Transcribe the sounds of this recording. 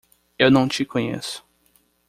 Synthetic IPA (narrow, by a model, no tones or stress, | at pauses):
ewnɐ̃w̃t͡ʃɪkʰõɲḛsʊ̥